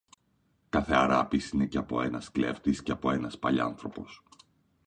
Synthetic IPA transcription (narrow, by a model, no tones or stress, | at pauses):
kɐθe̞ɐɾɐpisine̞ceɐpo̞e̞nɐskle̞̰ft̪isceɐpo̞e̞nɐspɐʎɐ̰nθɾo̞po̞s